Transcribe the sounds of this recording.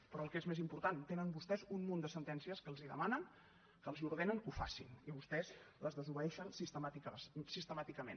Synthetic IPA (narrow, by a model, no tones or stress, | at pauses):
pəɾɔːlˠkezmezimpuɾt̪ant̪enəmbust̪ɛzunmund̪əsənt̪ɛnsiəskəlˠziðə̰manəŋ | kəlˠziuɾð̞enəŋkufa̰sḭniβust̪ɛzləzðəzuβəɛʃənsist̪əmat̪ikəsist̪əmat̪ikəmḛn